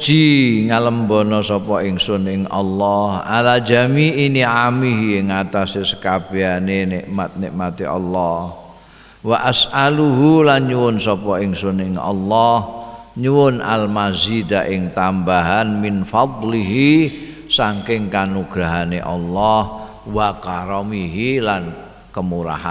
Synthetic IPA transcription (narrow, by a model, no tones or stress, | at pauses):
d͡ʒ̥iŋaləmbɔnɔsɔpɔɪŋsʊnɪŋʔɑ̰lːɔhʔalad͡ʒamiːniʕamiɦiɪŋat̪asesə̥kab̥eaneneʔmat̪̚neʔmat̪iʔɑ̰lːɔh | waʔasʔaluɦulanɲuwʊnsɔpɔɪŋsunɪŋɑ̰lːɔhɲuwʊna̰lmazid̪aʔɪŋt̪ambaɦanmɪnfɑd̪liɦi | saŋkɪŋkanuɡ̥ɾaɦaneʔɑlːɔh | wakaɾɔmiɦilan | kəmuɾa̰ɦa̰